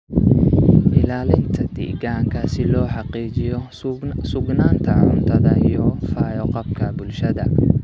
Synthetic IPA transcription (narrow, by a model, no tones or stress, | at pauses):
ʔɪlaːlɪnt̪ʰɐd̪̥ḭːɣaːŋkʰɐsɪlɔːħɑqiːt͡ʃɪjɔ | sʊɡnaːnt̪ʰɐʕʊ̰nt̪ʰɐðɐjɔfaːjɔqɑb̚kʰɐbʊlʃɐðɐ